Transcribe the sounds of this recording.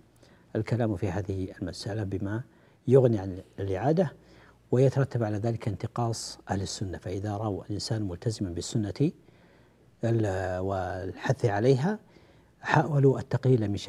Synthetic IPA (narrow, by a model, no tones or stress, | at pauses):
ʔalkalaːmfihaːðɪhɪalmasʔalabɪma | jʊɣniʕanlʔɪʕaːd̪a | wɪjat̪ɑɾˤɑt̪ːabʕalaːðaːlɪkɪnt̪ɪqɑːsˤʔahlɪsːʊnːafaʔɪðaɾˤɑwalʔɪnsaːnmʊlt̪ʰazɪmbɪsːʊnːa | wɪlħaθːʕaleːɦa | ħaːwaluʔat̪ːɑqliːlamɪʃ